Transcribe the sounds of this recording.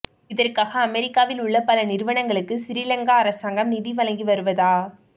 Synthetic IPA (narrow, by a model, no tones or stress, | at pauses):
ɪðɐrkaːɣɐːmɛɾɪkːaːʋɪlʊɭːɐpɐlɐnɪɾɯʋɐɳɐŋɡɐɭɯkːɯsɪɾɪlɐŋɡaːɐɾɐsaːŋɡɐmnɪðiʋɐlɐŋɡiʋɐɾɯʋɐðaː